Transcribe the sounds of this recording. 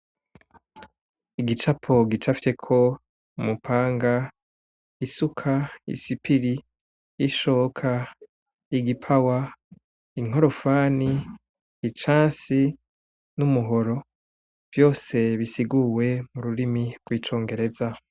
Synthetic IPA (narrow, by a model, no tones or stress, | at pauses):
iɡit͡ʃapʰo̞ɡit͡ʃafi̥te̞kʰo̞ | umupʰaːŋɡa | isukʰaḭsipiɾiː | ʃoːkʰa | iɡipʰawa | iŋ̥o̞ɾo̞faːniː | t͡ʃaːsi | numuɦo̞ɾo̞ | v̥jo̞ːse̞βisiɡuwe̞muɾuɾimiɡ̥ɡwiːt͡ʃo̞ːŋɡe̞ɾe̞za